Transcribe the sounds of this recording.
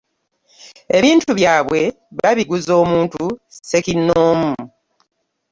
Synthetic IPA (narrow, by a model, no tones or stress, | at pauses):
e̞βiːntuβjaːβwe̞ | βaβiɡuzo̞ːmuːntuse̞kinːoːmuu